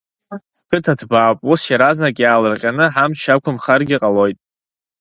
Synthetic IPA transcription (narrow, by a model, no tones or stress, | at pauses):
kʰɨtʰadʰbaːpʼusjaɾaznakʼjaːlɨrqʲʼanɨħamt͡ʃʰakʷʰʊmχarɡʲɪqʼalo̞jtʼ